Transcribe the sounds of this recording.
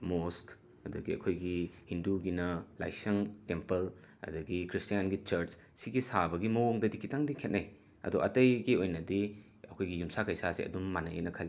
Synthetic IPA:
mosk | ɐdɐɡiɐ̰kʰojɡihinduɡinɐla̰jsɐŋtempɐl | ɐ̰dɐɡikɾistijanɡit͡ʃɐɾt͡ʃ | siɡisabɐɡimɐwoŋdɐdikʰitaŋdikʰet̚naj | ɐ̰duʔɐ̰tɐjɡiojnɐdi | ɐkʰojɡijumsakɐjsasḭɐ̰dumːanɐjḛnɐkʰɐlː

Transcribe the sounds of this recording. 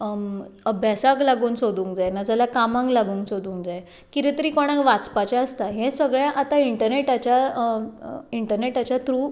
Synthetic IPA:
əbʱjasaklaɡuːnsod̪uːŋkd͡zajnəd͡zalakamãŋɡlaɡuːnsod̪ũːŋkd͡zaj | kit̪et̪əɾikoɽ̃ãɡʋat͡spat͡ɕaəst̪aɦɛ̃səɡɭjãʔat̪aiɳʈəɾneʈat͡ɕa | iɳʈəɾneʈat͡ɕat̪ɾuː

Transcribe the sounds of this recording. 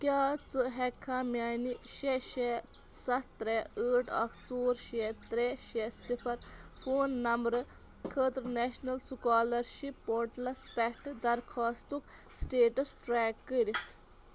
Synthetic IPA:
kʲaːt͡sɨɦɛkʰːamʲjaːniʃɛʃe | sɐtt̪ɾeəːʈɐ̰kt͡soːɾʃɛt̪ɾɛʃesipʰɐɾfoːnːɐmɾɨ | kʰəːt̪ɾnɛʃnɐlsukɑːlɐɾʃipːoɾʈlɐspɛkʰʈd̪ɐɾkʰaːst̪uksʈeːʈɐsʈɾɛːkːəɾit̪

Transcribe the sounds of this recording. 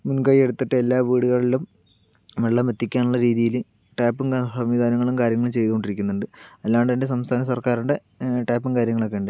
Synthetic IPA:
munkaːjie̞ɽut̪ːiʈːɨelːaːʋiːɽuɣɐɭilum | ʋeɭːɐmet̪ːikʲːaːnuɭːɐɾiːðijil | ʈaːpːɨmsɐmʋiːd̪ʱaːnɐŋːɐɭumkaːɾjɐŋːɐɭumt͡ɕe̞jðuɣo̞ɳɖiɾikʲːunːuɳɖɨɐlːaːʋɳɖðɐndes̬ɐmst̪ʰaːnɐsɐrkaːɾuɳɖe̞ | ʈaːpːɨmkaːɾjɐŋːɐɭokːe̞ːɳɖɨɨ

